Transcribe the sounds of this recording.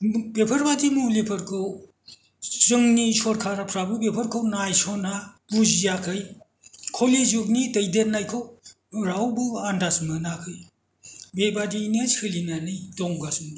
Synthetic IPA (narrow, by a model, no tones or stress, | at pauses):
bepʰɐɾbadimulepʰɯɾkʰɯw | zɯŋnisɔɾkʰaɾapʰɾabɯbepʰɐɾkʰɯwnajsɔnabuzijakʰɯj | kʰoled͡ʒuk̚nidɐjdenːajkʰow | ɾawbɯandasmɯnakʰɯj | bebadiːnskʰɯlinanɯjdɔŋɡasmi